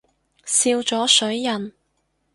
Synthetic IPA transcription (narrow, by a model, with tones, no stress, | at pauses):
siː˧wt͡ʃɔː˨˥sɵ˨˥ɥjɐ˨n